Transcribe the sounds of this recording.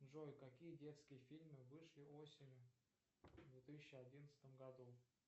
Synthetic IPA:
nʐojkɐkʲijədʲe̞t̪skʲɪjəfʲilʲmɨvɨʂlʲɪosʲɪnʲ | vd̪vʲet̪ɨsʲɪɕːɪɐdʲinət̪sɨ̥t̪əmɡɐd̪u

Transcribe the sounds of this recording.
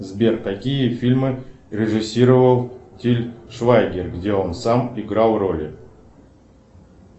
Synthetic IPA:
zbʲert̪akʲijəfʲilʲmɨ | rʲɪʐɨsʲiɾəvəlˠtʲilʲʂvajɡʲerɡdʲeonsamiɡɾalˠrolʲɪ̰

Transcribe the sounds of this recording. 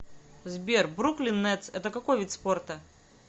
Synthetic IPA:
zbʲerbɾuklʲɪnːɛt̪sɛt̪əkɐkojvʲit̪ʲsport̪ə

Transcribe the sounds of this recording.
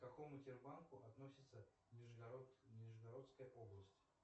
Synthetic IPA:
kɐko̞mʊtʲɪrbankʊʔɐt̪no̞sʲɪt̪sə | ɪʐɨɡnʲɪʐɨɡɐɾo̞t̪skəjəpo̞blˠəsʲtʲ

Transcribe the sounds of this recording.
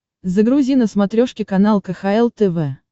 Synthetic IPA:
zəɡɾʊzʲinəsmɐt̪ɾʲoʂkʲɪkɐnalˠkəxaɛlˠt̪ɛvɛ

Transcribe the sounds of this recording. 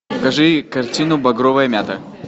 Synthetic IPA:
kɐʐɨkɐrtʲinʊbɐɡɾovəjəmʲat̪ə

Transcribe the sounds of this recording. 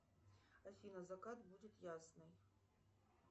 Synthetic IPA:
ɐfʲinɐzɐkat̪budʲɪt̪jasnɨj

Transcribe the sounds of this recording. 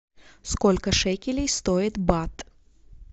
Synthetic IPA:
skolʲkəʂɛkʲɪlʲɪjst̪oɪt̪bat̪

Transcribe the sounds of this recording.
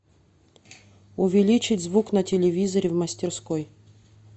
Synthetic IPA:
ʊvʲɪlʲit͡ɕɪtʲzvuknətʲɪlʲɪvʲizəɾʲɪvməsʲtʲɪrskoj

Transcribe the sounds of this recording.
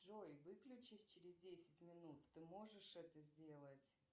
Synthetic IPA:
ʐojvɨklʲʉt͡ɕɪsʲt͡ɕɪɾʲɪzdʲesʲɪtʲmʲɪnut̪ːɨmo̞ʐɨʂɛt̪əzʲdʲe̞lˠətʲ

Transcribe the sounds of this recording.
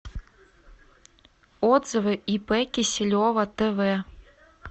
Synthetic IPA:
ɔd̪zɐvɨipɛkʲisʲɪlʲɔvɐt̪ɛvɛ

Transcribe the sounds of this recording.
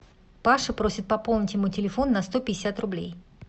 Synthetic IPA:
paʂɨpɾo̞sʲɪt̪̚pɐpolˠnʲɪtʲjɪmutʲɪlʲɪfo̞nːɐst̪o̞pʲɪdʲɪsʲat̪rʊblʲḛj

